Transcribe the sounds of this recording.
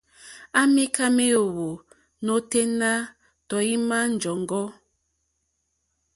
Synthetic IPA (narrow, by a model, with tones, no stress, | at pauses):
a˦mi˦ka˦me˦o˨wo˨ | no˦te˦na˦ | tɔ˨i˦ma˦n̩˨d͡ʒɔ˨ŋ˨ɡɔ˦